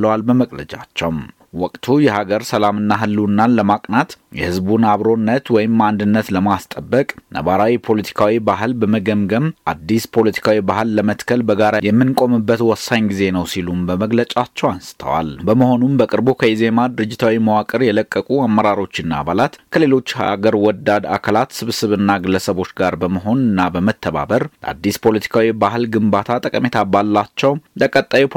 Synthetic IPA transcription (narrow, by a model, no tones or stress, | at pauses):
əwalbəməkʼlə̰t͡ʃʼa̰t͡ʃːɛwm | wɔkʼt̪ʰujɛhaɡəɾsəlamɨnːaɦɨlːunːaləmakʼnat̪jɛ̰hɨzbunaβɾo̞nːət̪wɔjɪmːand̪ɨnːət̪ləmast̪ʼəbːəkʼnə̰βaɾawipʰo̞lət̪ʰi̥kʰawibaɦɨlbəməɡəmɡəmʔad̪ːispʰo̞lət̪ʰi̥kʰawibahɨlːəmət̪kʰəlbəɡaɾajɛmːɨnkʼo̞mɨbːət̪wɔsaɲɡize̞nəwsilumbəməɡlət͡ʃʼat͡ʃːɛwansɨ̥t̪ʰə̰wa̰lbəməɦo̞numbəkʼɨɾbokʰəize̞mad̪ɨɾɨd͡ʒːɪt̪ʰawiməwakʼɨɾjɛləkʼːəkʼuamːəɾaɾo̞t͡ʃːɪnːaa̰βalat̪kʰəle̞lo̞t͡ʃːha̰ɡəɾwɔd̪ad̪a̰kʰəlat̪sɨβsɨβɨnːaɡɨlːəsəβo̞t͡ʃːɡaɾbəməɦo̞nɨnːabəmət̪ʰːəβa̰bəɾdʔa̰d̪ːispʰo̞lət̪ʰi̥kʰawibaɦɨlɡɨmbat̪ʰat̪ʼəkʼəme̞t̪ʰabalːat͡ʃːɛwd̪əkʼət̪ʼːaju